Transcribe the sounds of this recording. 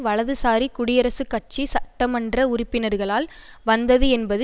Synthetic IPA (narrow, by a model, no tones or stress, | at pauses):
ʋɐɭɐðɯsaːɾikʊɽɪjɐɾɐsɯkːɐʈ̚t͡ʃisɐʈːɐmɐndrɐʊrɪpːɪnɐɾɣɐɭaːl | ʋɐnd̪ɐðɯɛnbɐðɯ